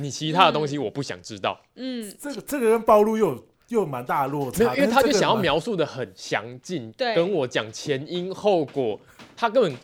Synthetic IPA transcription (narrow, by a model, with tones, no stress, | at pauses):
ni˨˩t͡ɕʰi˧˦t̪ʰa˦˥d̪ə˨t̪o˥˦ŋɕ̬i˦wɔ˨˩pu˥˩ɕjɑ̰˨˩ŋʈ͡ʂɻ̩˦t̪ɑ˥˩ʊ˥˩ə˥˩ɡʈ͡ʂə˥˩ɡə˨˩kə˦npɑ˥˧ʊlu˥˧jo˥˨ʊ | jo˥˨˩ʊma˨˦nt̪a˥˧lwɔ˥˨t͡sʰe˧˥o˨˥˧i˦˥˩t̪ʰa˥˩ɕa˨ŋjɑ˥˩mjɑ˧˥ʊsu˥˩d̪ə˩hə˨˩nɕjɑ̰˧˦ŋt͡ɕi˥˨˩ne˥˧kə˦nwɔ˨˩t͡ɕjɑ˨˩ŋt͡ɕʰjɛ˨˦ni˦nho˥˩ʊkwɔ˨˩ | t̪ʰa˦kə˦nə˨˩n